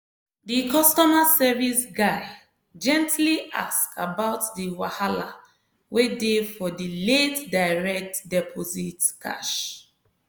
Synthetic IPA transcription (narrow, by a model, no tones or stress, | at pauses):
dikɔstɔmasɛvisɡaɪ | d͡ʒɛ̃ntʰliʔa̰skabaʊtdiwahala̰ | wedefɔdiletdaɪɹɛk̚tdɛpʰozitkʰa̰ʃ